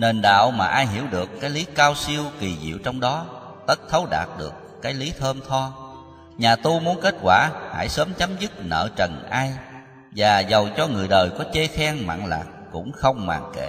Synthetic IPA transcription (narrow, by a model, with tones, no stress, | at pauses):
ne˨˩nɗa̰ː˧˨wmaː˨˩ʔaː˧jɦi˧˩əwɗɨ˨˩əkːaː˨˦jli˨˦kaː˧wsi˧əwki˨˩zḭ˧˨əwt͡ɕɔ˧wŋ͡mɗɔ˨˦ | t̪ə˦˥k̚t̪ʰə˨˦wɗa̰ː˨˩t̚ɗɨ˨˩əkːaː˨˦jli˨˦t̪ʰəː˧mt̪ʰɔ˧ | ɲaː˨˩t̪u˧mu˨˦ənke˦˥t̚kwaː˧˩ha̰ː˧˩jsəː˨˦mt͡ɕa˨˦mzɨ˦˥t̚nə̰ː˧˨t͡ɕə˨˩nʔaː˧j | vaː˨˩zə˨˩wt͡ɕɔ˧ŋɨ˨˩əjɗəː˨˩jkɔ˨˦t͡ɕe˧xɛ˧ŋma̰ː˧˨ŋla̰ː˨˩k̚ːʊ̰˧˥ŋ͡mxə˧wŋ͡mma̰ː˨˩ŋkḛ˧˩˨